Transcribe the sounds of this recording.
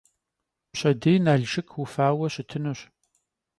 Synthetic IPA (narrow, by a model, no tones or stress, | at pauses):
pɕʼɐdeːjnaːɮʒɪkʰwufaːwɐɕɪtʰɨnuɕ